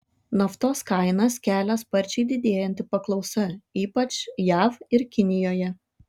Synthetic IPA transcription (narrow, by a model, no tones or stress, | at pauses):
nɔft̪oːskɐɪnɐskʲæːlʲɛspɐɾʲt͡ʃʲɛɪd̪ʲɪd̪ʲeːjɛnʲt̪ʲɪpɐklˠɒʊsɐiːpɐt͡ʃjæːfɪɾkʲɪnʲɪjoːjɛ